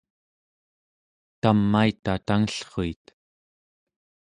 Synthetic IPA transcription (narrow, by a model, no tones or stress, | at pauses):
t̪amːait̪at̪aŋəɬχoit̪